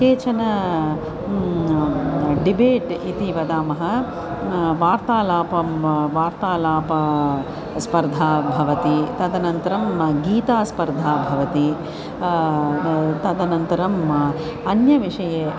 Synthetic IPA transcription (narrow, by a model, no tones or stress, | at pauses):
eːt͡ʃɐnɐ | ɖibeːʈit̪iʋɐd̪aːmɐɦɐ | ʋaːɾt̪aːlaːpɐmʋaːɾt̪aːlaːpɐ | spɐɾd̪ʱaːbʱɐʋɐt̪it̪ɐd̪ɐnɐnt̪ɐɾɐmɡiːt̪aːspɐɾd̪ʱaːbʱɐʋɐt̪i | t̪ɐd̪ɐnɐnt̪ɐɾɐm | ɐnjɐʋiʂɐjeː